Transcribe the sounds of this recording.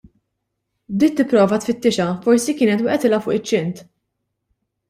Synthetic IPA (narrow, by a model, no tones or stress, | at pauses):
d̪iːt̪ːɪpːɾɔːvɐt̪fɪt̪ːɪʃɐfɔɾsikɪːnɛt̪wɪːʔɛt̪ɪlɐfʊ̰ːʔɪt͡ʃːɪnt̪